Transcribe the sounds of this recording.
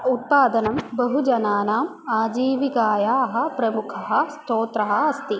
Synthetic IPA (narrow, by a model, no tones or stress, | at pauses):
ut̪̚paːd̪ɐnɐmbɐɦud͡ʒɐnaːnaːm | aːd͡ʒiːʋikaːjaːɦɐ̆pɾɐmukʰɐɦɐ̆st̪oːt̪ɾɐɦɐ̆ɐst̪i